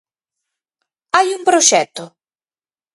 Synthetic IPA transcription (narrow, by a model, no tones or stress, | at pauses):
ajumpɾot͡ʃɛt̪ːo